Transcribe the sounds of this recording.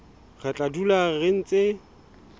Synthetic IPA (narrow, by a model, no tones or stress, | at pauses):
ɣat͡ɬʼadularen̩t͡sʼe